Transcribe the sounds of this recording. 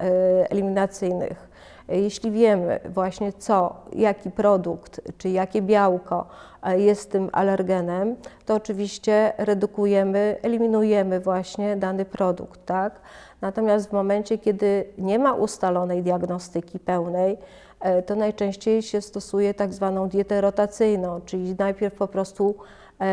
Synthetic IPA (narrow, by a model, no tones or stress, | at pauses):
ɛ̰lʲimʲinat̪sɘjnɘ̰x | jɛɕlʲivʲjɛmɘ̰vwaɕɲɛt̪sɔjakʲipɾɔd̪ukt̪t͡ʂɘjakʲɛbʲjawkɔ | jɛst̪ːɘmʔa̰lɛɾɡɛnɛmt̪ɔːt͡ʂɘvʲiɕt͡ɕɛɾɛd̪ukujɛmɘʔɛlʲimʲinujɛmɘvwaɕɲɛd̪anɘpɾɔd̪ṵkt̪ːak | nat̪ɔmʲjast̪vmɔmɛnt͡ɕɛkʲɛd̪ɘɲɛmaʔust̪alɔnɛjd̪ʲjaɡnɔst̪ɘkʲipɛwnɛj | t̪ɔnajt͡ʂɛ̃w̃ɕt͡ɕejɕɛst̪ɔsujɛt̪aɡzvanɔ̃w̃d̪ʲjɛt̪ɛɾɔt̪at̪sɘjnɔ̃w̃t͡ʂɘlʲinajpʲjɛɾfpɔpɾɔst̪u